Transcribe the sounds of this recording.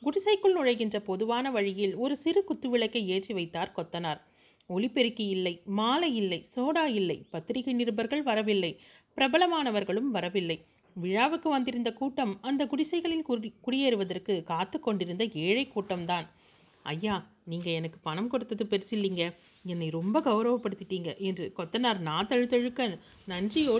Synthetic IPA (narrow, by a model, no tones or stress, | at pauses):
ɡʊɽɪsɐɪkːɯɭnʊɻɐɪɣɪndrɐpɔðɯʋaːnɐʋɐɻɪjɪlɔɾɯsɪɾɯkʊt̪ːɯʋɪɭɐɪkːɐɪeːt͡ʃːiʋɐɪt̪ːaːɾkɔt̪ːɐnaːɾ | ɔɭɪpːɛɾɯkːɐjɪlːɐɪmaːlɐjɪlːɐɪsoːɽaːjɪlːɐɪpɐt̪ːɪɾɪɣɐɪnɪɾɯbɐɾɣɐɭʋɐɾɐʋɪlːɐɪ | pɪɾɐbɐlɐmaːnɐʋɐɾɣɐɭɯmʋɐɾɐʋɪlːɐɪ | ʋɪɻaːʋɯkːɯʋɐnd̪ɪɾɯnd̪ɐkuːʈːɐmɐnd̪ɐkʊɽɪsɐɪɣɐɭɪlkʊɽɪjɐɾɯʋɐðɐrkɯkaːt̪ːɯkːɔɳɖɪɾɯnd̪ɐeːɻɐɪkːuːʈːɐmt̪aːn | ɐjːaː | niːŋɡɐɛnɐkːɯ̥pɐnɐmkɔɽɯt̪ːɐðɯpɛɾɯsɪlːiːŋɡɐ | ɛnːɐɪɾɔmbɐɡɐʊɾɐʋɐpːɐɽɯt̪ːɪʈːiːŋɡɐʔɛndrɯkɔt̪ːɐnaːɾnaːt̪ːɐɻɯt̪ːɐɻɯkːɐ | nɐnd͡ʒɪjoː